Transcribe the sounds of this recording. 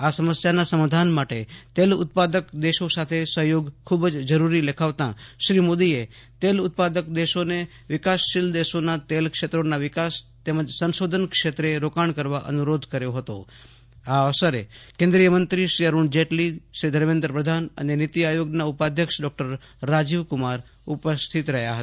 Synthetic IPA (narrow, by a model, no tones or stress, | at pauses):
asəməsjanasəmad̪ʱanmaʈet̪elʊ̰t̪̚pad̪əkd̪eʃosat̪ʰesəɦjoɡkʰubd͡ʒd͡ʒəɾuɾilekʰaʋt̪ã̰ʃɾimod̪ie | t̪elʊt̪̚pad̪əkd̪eʃone | ʋɪkasːɪld̪eʃonat̪elkʃet̪ɾonaʋɪkast̪eməd͡ʒsənʃod̪ʱənkʃet̪ɾeɾokaɳkəɾʋaʔə̰nuɾod̪ʱkəɾjoɦət̪o̰ | aəʋsəɾḛkẽnd̪ɾijəmənt̪ɾiʃɾiəɾuɳd͡ʒeʈliʃɾid̪ʱəɾmẽnd̪ɾəpɾəd̪ʱanə̰nenit̪iajoɡnaupad̪ʱjəkʃɖɔk̚ʈəɾː | ad͡ʒiʋkʊmaɾ | ʊpəst̪ʰit̪ɾəɦjaɦət̪